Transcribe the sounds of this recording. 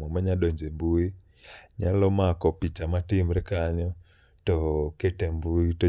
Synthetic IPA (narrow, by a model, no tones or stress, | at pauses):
ɔmɛɲaɗɔɲd͡ʒɛmbui | ɲalɔmakɔpit͡ʃamatim̩ɾɛkaɲɔ | tɔkɛtɛmbuitɔ